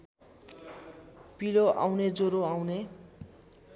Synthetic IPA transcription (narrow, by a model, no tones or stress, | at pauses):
piloʔa̰wned͡zoɾoawne